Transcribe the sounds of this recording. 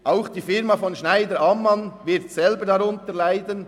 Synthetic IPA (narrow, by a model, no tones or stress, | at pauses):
ʔaʊxd̥iːfɪɾmɑfɔnʃnaɪdəɾɑmːɑnvɪɾtsɛlbəɾdɑɾʊntəlaɪdən